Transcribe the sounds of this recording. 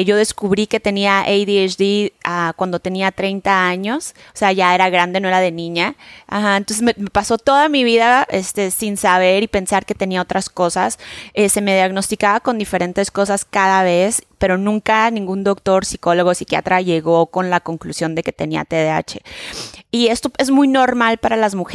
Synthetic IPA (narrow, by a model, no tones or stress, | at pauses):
ʝo̞ðe̞skuβɾike̞t̪e̞niaʔejðieʃdiakwand̪o̞t̪e̞niat̪ɾe̞jnt̪aaɲo̞s | oseaʝae̞ɾaɣɾand̪e̞no̞eɾaðe̞nĩɲaa̰xaẽnt̪o̞nsezmeme̞paso̞t̪o̞ðamiβ̞iðae̞st̪e̞sinsaβ̞e̞ɾipe̞nsaɾke̞t̪e̞niaot̪ɾasko̞sasese̞me̞ð̞jaɣno̞st̪ikaβako̞nd̪ife̞ɾe̞nt̪e̞sko̞saskaðaβ̞e̞spe̞ɾo̞nũŋkanĩŋɡund̪o̞kt̪o̞ɾsiko̞lo̞ɣosikja̰t̪ɾaʝe̞ɣo̞ko̞nlako̞ŋklusjo̞nd̪e̞ke̞̥t̪e̞nia̰t̪eðea̰t͡ʃe̞ | ie̞st̪o̞e̞zmujno̞ɾmalpaɾalazmux